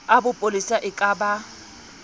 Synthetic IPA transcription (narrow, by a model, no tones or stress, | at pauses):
abʊpʼolisaʔɪkʼaba